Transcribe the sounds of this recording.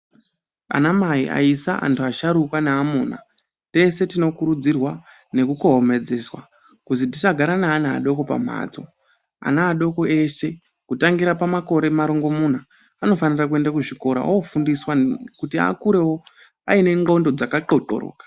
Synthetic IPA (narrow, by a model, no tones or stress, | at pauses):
a̰namaiʔa̰isaʔa̰ntʰuaʃaɾukwanaːmona̰ | te̞se̞tino̞kuɾud͡zirwa | ne̞kuko̞ɦome̞d͡ze̞swa̰ | kuzit̬it͡ʃaɡʱaɾanaːna̰ːɗo̞ko̞pa̰m̤a̰ːt͡so̞̰ | a̰naːɗo̞ko̞e̞ʃe̞ | kutaŋɡiɾapamako̞ɾe̞maɾoŋɡo̞mun̤a | ano̞fanirakue̞ndakuʐiko̞ɾa̰ofundiswakutia̰kuɾe̞wo̞ | a̰ine̞ŋɡo̞ndo̞d͡zakaǃo̞ǃo̰ro̰ːkḁ